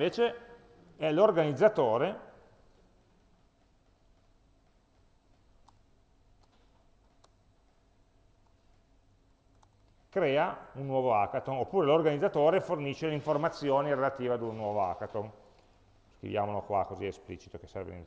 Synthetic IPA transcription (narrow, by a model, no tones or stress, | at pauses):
veːt͡ʃe | ɛlorɡanid̪zːat̪oːɾe | kɾɛːaunːwɔːvoakat̪onopːuːɾelorɡanid̪zːat̪oːɾeforniʃːeleiɱformat̪sːjoːniɾelat̪iːvead̪unnwɔːvoa̰kat̪on | skɾḭvja̰ːmolokwa̰kozḭesplḭt͡ʃi̥t̪oke̥sɛrvḛnḛ